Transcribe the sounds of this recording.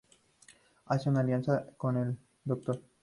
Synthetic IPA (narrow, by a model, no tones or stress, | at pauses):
asoŋalijansakonel | d̪ok̚t̪oɾ